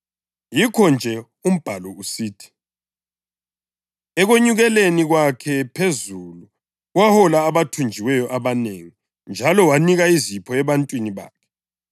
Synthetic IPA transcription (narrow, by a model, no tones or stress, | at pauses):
jikʰɔnd͡ʒʱɛ | um̩b̥ʱalɔusiːtʰi̥ | ɛɣoɲuɣɛleniɣwakʰɛpʰezulu | ɣwahɔlaːβatʰund͡ʒʱiwɛjɔʔaβaneŋi | nd͡ʒʱalɔwaniɣaizipʰɔɛβantʼwiniβa̰ːkʰɛ̥